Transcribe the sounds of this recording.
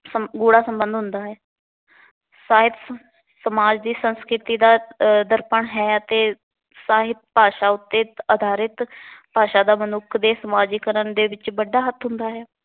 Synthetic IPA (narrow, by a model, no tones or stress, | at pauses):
səɡuːɽaːsəmbə̃nd̪ʱɦʊnd̪aːɦɛː | saːɦɪt̪ | səmaːd͡ʒd̪iːsənskɾɪt̪iːd̪aːd̪əɾpəɳɦɛːət̪eː | saːɦɪt̪̚paːʃaːʊt̪ːeːəd̪ʱaːɾɪt̪paːʃaːd̪aːmənʊkʰd̪eːsəmaːd͡ʒiːkəɾəɳd̪eːʋɪt͡ʃbəɖːaːɦət̪ʰɦʊnd̪aːɦɛː